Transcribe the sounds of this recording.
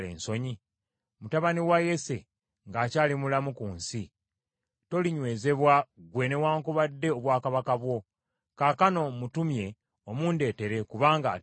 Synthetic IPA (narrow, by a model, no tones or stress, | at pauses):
lḛːnso̞ɲi | mutaβaniwaje̞se̞ | ŋɡaːcaːlimulamukuːnsi | to̞liɲwe̞ːze̞βwaɡwe̞ːne̞waːŋkuβadːe̞oβwaːkaβakaβwo̞ | kakano̞mutumje̞ | omuːnde̞ːte̞ɾe̞kuβaːŋɡa̰